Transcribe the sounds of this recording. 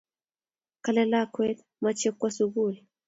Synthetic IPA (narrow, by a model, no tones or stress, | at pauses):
kalɛlakwɛt̪ | mat͡ʃɛkwasuɣuli